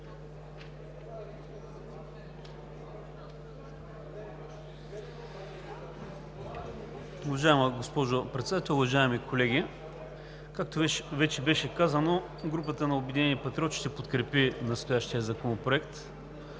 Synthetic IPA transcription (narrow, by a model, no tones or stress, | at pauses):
ʊvɐʒaɛməɡospɔʒopɾɛt̪sɛd̪at̪ɛlˠʊvɐʒaɛmikolɛɡʲi | kak̚t̪ovɛt͡ʃɛbɛʃɛkazəno | ɡɾup̬ət̪ənɐobɛd̪inɛniəpɐt̪ɾɔʃt̪ɛpot̪kɾɛpinɐst̪ojaʃt̪ijəzɐkonopɾoɛkt̪